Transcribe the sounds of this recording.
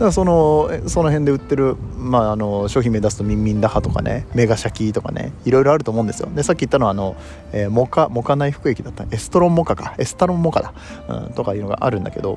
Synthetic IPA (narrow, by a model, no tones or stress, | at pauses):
d̪aɡaso̞no̞so̞no̞ɦẽ̞nd̪e̞ɯ̟t̪ːe̞ɾɯ̟maːno̞ɕo̞çʲime̞d̪asɨ̥t̪o̞mʲĩmːʲĩnd̪ahat̪o̞ka̰ne̞̰me̞ɡaɕakʲit̪o̞ka̰nḛiɾo̞jɾo̞aɾɯ̟t̪omõ̞ːnd̪e̞sɨjo̞̰d̪e̞sakʲːit̪ːanoano̞ | eːmo̞kamo̞kanaiɸɯ̟̥kɯe̞kʲid̪at̪ːa̰esɨ̥t̪o̞ɾõ̞mːo̞kakae̞sɨ̥t̪oɾõ̞mːo̞kad̪a | ɯ̰̃t̪o̞kajiɯ̟no̞ɡa̰ʔa̰ɾɯ̟̃nd̪ake̞d̪o̞̰